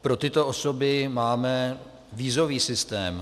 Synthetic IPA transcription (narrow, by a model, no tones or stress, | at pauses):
pɾo̞t̪ɪt̪o̞ʔoso̞bɪmaːmɛ | viːzo̞viːsɪst̪ɛːm